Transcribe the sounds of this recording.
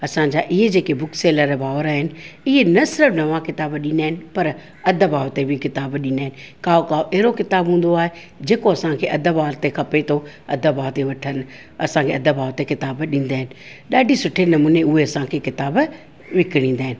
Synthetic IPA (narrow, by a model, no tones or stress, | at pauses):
ɐsãɲd͡ʑaːʔɪɦed͡ʑeːkebʊkseːləɾbaːʋəɾaːɦɪnɪ̆ɪɦenɐsɪɾəfnɐʋãkɪt̪aːbɗĩnaːɦɪnɪ̆pɐɾ | ɐd̪ʱəbaːʋt̪ebʱɪkɪt̪aːbɗĩːnaːɪnɪ̆kaːokaːoʔɛɦɾokɪt̪aːbɦũːn̆d̪oaːɦe | d͡ʑeːkoɐsãkʰeːʔɐd̪ʱəbaːɾt̪exʰɐpet̪ʰoɐd̪ʱəbaːt̪eʋɐʈʰən | ɐsãkʰeɐd̪əbʱaːʋt̪ekɪt̪aːbɗĩːn̆d̪aːɦɪnɪ̆ɗaːɖʱisʊʈʰenɐmuːneʊɦeɐsãkʰekɪt̪aːb | ʋɪkɪɽ̃ĩːn̆d̪aːɦɪnɪ̆